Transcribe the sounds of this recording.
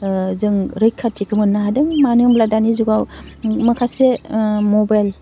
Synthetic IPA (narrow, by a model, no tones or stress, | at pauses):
zɯŋɾɯjkʰːatʰikʰɯmɯnːaɦadɯŋmanɯmbladanizuɡawmakʰasemɔbajl